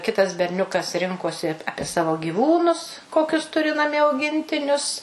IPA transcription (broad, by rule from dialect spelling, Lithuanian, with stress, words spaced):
ˈkʲɪtɐs bʲɛrʲˈnʲʊkɐs ˈrʲɪŋkoːsʲɪ ˈɑːpʲiɛ sɐʋoː ɡʲiːˈʋuːnʊs ˈkoːkʲʊs ˈtʊrʲɪ nɐˈmʲiɛ ɐʊˈɡʲɪnʲtʲɪnʲʊs